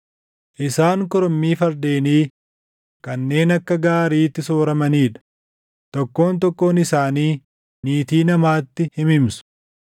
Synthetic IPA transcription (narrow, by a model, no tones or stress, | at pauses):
ʔɪsaːŋkɔɾɔmːiːfɐɾd̪e̞ːniː | kɐnːe̞ːnɐkːɐɡaːɾiːt̪ːɪso̞ːɾɐmɐniːᶑɐ̥ | t̪ɔkːo̞ːnt̪̬ɔkːo̞ːnɪsaːniː | niːt̪iːnɐmaːt̪ːɪhɪmɪmsʊ̥